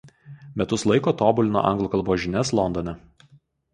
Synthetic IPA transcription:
mʲɛt̪ʊslˠɐɪkoːt̪oːbʊlʲɪno̰ʔɐ̰ŋɡlˠuːkɐlˠboːʒʲɪnʲɛslˠɔnd̪ɔːnʲɛ

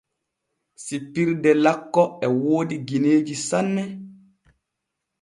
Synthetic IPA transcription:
sipiɾdɛlakːɔɛwoːdiɡineːd͡ʒisanːɛ

